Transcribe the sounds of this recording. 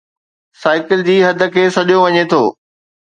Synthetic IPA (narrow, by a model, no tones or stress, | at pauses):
saːɪkɪld͡ʑiːɦɐd̪ʱə̆kʰeːsɐʄoʋɐɲet̪ʰoː